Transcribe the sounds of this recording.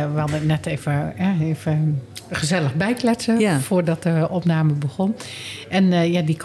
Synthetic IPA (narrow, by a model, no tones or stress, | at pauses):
ʋalˠdəənɛtʰevəɛeːvəχəzɛləɣbɛjklɛtsəfoːrdɔt̚dəʔɔpnaːməbəɣɔn | ʔɛnjadik